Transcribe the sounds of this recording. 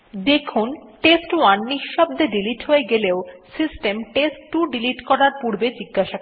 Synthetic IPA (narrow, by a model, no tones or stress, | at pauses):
d̪ekʰunʈesʈwanːiʃʃɔb̚d̪eɖiliʈɦoeɡeleosisʈemʈesʈːuɖiliʈkɔɾaɾpuɾbed͡ʑiɡːaʃak